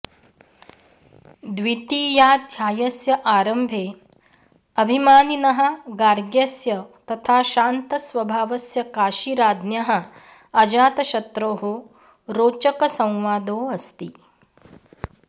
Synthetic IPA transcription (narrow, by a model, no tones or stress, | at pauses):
d̪ʋit̪iːjaːd̪ʱjaːjɐsjɐʔaːɾɐmbʱeː | ɐbʱimaːninɐɦɐ̆ɡaːɾɡjɐsjɐt̪ɐt̪ʰaːʃaːnt̪ɐsʋɐbʱaːʋɐsjɐkaːʃiːɾaːd̪njaɦɐ̆ | ɐd͡ʒaːt̪ɐʃɐt̪ɾoːɦo | ɾoːt͡ʃɐkɐsɐ̃w̃ʋaːd̪oːɐst̪i